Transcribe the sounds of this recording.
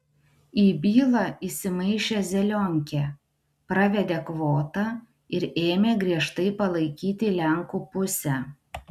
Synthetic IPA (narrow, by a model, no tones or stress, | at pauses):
iːbʲiːlˠɑisʲɪmɐɪʃʲezʲɛlʲoŋʲkʲe | pɾɐʋʲɛd̪ʲeːkʋoːt̪ɑ | ɪɾeːmʲeːɡɾʲiɛʃt̪ɐɪpɐlˠɐɪkʲiːt̪ʲɪlʲɛŋkuːpʊsʲɛ